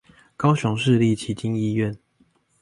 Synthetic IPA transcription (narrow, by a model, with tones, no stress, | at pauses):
kɑ˥˦ʊɕʊ˨˦ŋʂɻ̩˥˧li˥˨t͡ɕʰi˨˦t͡ɕi˦ŋi˥˧ɥɛ˥˨n